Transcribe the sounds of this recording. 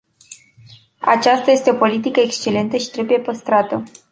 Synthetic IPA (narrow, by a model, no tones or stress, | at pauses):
a̰t͡ʃast̪aje̞st̪eo̞po̞lit̪ikəekst͡ʃe̞le̞nt̪əʃi̥t̪ɾe̞buje̞pəst̪ɾat̪ə